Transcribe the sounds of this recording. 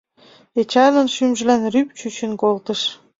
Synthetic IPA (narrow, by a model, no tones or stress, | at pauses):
et͡ɕɑjlɤ̆nʃymʒə̆lænryp̚t͡ɕyt͡ɕə̆nkolt̪ə̆ʃ